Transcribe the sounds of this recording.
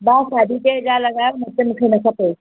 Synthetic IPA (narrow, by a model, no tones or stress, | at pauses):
basad̪ʱit̪ed͡ʑaləɡajomət̪ːemukʰenəkapə